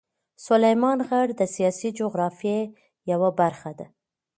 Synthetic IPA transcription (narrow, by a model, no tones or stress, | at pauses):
sʊlajmɑnɣaɽd̪əsijɑsid͡ʒoɣɾɑfje | jawabaɾxad̪a